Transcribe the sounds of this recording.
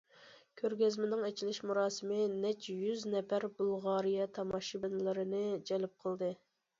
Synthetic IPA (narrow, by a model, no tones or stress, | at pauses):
kʲʰøɾɡʲɛzmɪnɪŋɛt͡ʃʰilɪʃmuɾɑːsɨmɪnɛt͡ʃjyznɛpæɾbulˠʁɑːɾijɛt̪ʰɑmɑʃibɪnɪlɪɾɨnɨd͡ʒɛlɪp̚qʰəlˠd̪ɨ